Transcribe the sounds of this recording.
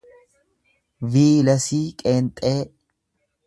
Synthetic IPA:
viːlɐsiːkʼeːnt̪ʼeː

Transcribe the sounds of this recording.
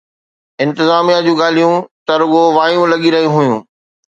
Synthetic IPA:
ɪ̃nt̪ɪzaːmijad͡ʑũːɡaːl̤ijũt̪ɐɾʊɠoʋaːjũlɐɠiɾɐɦĩɦujũː

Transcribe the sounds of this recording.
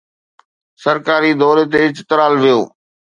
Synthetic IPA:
sɐɾkaːɾid̪ɔːɾet̪̬eɪt͡ɕt̪ɾaːlʋijo̰ː

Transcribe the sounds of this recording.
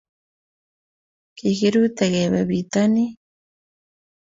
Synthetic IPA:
kihiɾut̪eɣeβeβit̪ani

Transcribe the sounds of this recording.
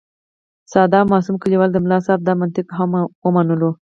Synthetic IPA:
sɑd̪ɑmɑsumkəliwɑld̪əmlɑsɑb̚d̪ɑmant̪ɪkɦamwəmanəlo

